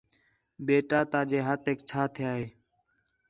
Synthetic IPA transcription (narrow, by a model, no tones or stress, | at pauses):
beːʈaːt̪aːd͡ʒeːɦət̪eːkt͡ʃʰaːt̪ʰɪjaːɦeː